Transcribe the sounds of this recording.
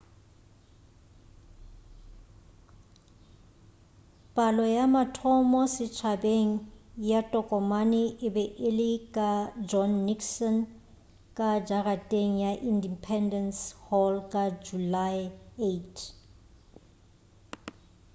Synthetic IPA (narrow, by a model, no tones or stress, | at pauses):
pʼalɔjamatʰɔmɔsɪt͡ʃʰabeŋ̩jatʼɔkʼɔmanɪʔɪbɛʔɪlɪkʼad͡ʒɔnːiksɔn | kʼad͡ʒaratʼeŋ̩jaʔindipʰɛndɛnshɔlkʼad͡ʒulaɪetʰ